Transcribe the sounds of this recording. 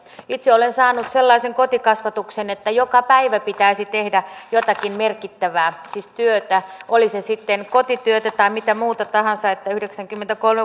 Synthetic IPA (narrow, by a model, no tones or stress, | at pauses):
it̪seolensɑːnut̪selːɑiseŋkot̪ikɑsʋɑt̪uksenet̪ːæjokɑpæiʋæpit̪æisit̪ehdæjot̪ɑkimmerkit̪ːæʋæːsiːst̪yøt̪æʔolisesit̪ːenkot̪it̪yøt̪æt̪ɑimit̪æmuːt̪ɑt̪ɑhɑnsɑet̪ːæyhdeksæŋkymːent̪ækolme